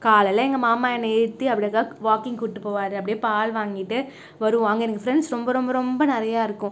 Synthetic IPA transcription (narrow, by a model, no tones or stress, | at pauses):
kaːlɐlːɐɛŋɡɐmaːmaːɛnːɐɛɾɯt̪ːɯɐpːɐɽɪjɐkːaːʋaːkɪŋɡkʊʈːɯpːoːʋaːɾɯɐpːɐɽɪjeːpaːlʋaːŋɡɪʈːɯ | ʋɐɾɯʋʊ̃ɐŋɡɐɛnɐkːɐfɾɛɳɖsɾɔmbɐɾɔmbɐɾɔmbɐnɪɾɐjaːɪɾɯkːʊ̃